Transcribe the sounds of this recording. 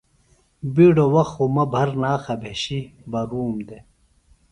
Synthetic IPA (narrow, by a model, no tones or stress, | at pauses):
biːɖowɐxomɐbʱɐɾnaːxɐbʱeːɕibɐɾuːmd̪e